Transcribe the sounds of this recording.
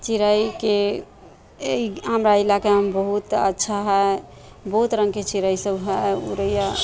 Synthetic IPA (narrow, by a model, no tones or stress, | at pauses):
t͡ʃiɾəjke | eiəmɾailakeɦəmbəɦut̪ə̰tːʃʰaɦɛ | bəɦut̪ɾəŋɡket͡ʃiɾəjsəbʱɦɛṵɾəija